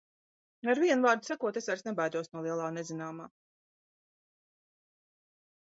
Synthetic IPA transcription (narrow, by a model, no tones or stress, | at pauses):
aɾviɛnvaːɾd̪sakuɔt̪esaɾsnɛbajd̪uɔsnuɔlˠiɛlˠaːnezinaːmaː